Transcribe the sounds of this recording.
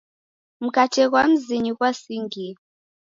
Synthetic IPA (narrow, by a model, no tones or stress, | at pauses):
m̩katʰɛk̬wam̩ziɲikwasiŋɡi